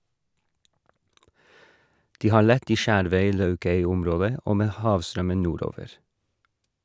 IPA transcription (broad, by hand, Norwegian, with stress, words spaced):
ˈdiː ˈhɑːɾ ˈlɛt ˈiː ˈʃæːɾʋœʏˌlɑʉkœʏˌʊmˌɾoːdə ˈoː ˈmeː ˈhɑːʋˌstɾœmən ˈnuːˌɾoːʋəɾ